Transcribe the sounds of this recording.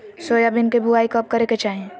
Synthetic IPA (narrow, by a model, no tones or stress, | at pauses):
soːjabɪnkebʱʊaːikɔp̚kɐɾeket͡ʃaːɦiẽ